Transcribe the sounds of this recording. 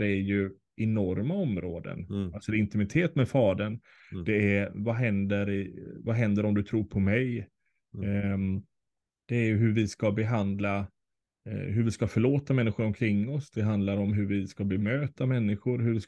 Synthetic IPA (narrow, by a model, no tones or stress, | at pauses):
ɾæɾjɵ | ɛnɔɾmaɔmɾo̰ːd̪ə̰nalsɔɪnt̪ɪmɪt̪ʰeːt̪mɛfɑːd̪ən | d̪̥ɛævaɦɛnd̪əɾɪvaɦɛnd̪əɾɔmd̪ɵt̪ʰɾuːɾpʰɔmɛj | d̪̥ɛːjɵɦɵɾvɪskabɛɦand̪la | ɦɵɾvɪskafœɭoːt̪amɛnːɪɧʊɾɔmkʰɾɪŋːɔsd̪̥ɛɦand̪laɾɔmɦɵɾvɪskabɛmøːt̪amɛnːɪɧʊɾɦɵɾvɪs